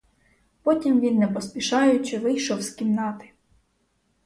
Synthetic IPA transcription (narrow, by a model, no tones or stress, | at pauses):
pɔtʲimʋʲinːɛpɔspʲiʃɑjʊt͡ʃɪʋɪjʃɔwskʲimnɑt̪ɪ̥